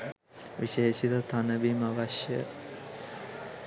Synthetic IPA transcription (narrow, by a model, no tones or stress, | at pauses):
ʋiʃeːʃit̪ət̪ʰanəbimaʋaʃjə